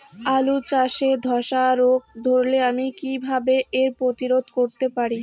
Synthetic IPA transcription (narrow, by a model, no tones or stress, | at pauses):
alut͡ɕaʃed̪ʱɔʃaɾoɡ̚d̪ʱoɾleamikibʱabeeɾpɾot̪iɾod̪ʱkoɾt̪epaɾi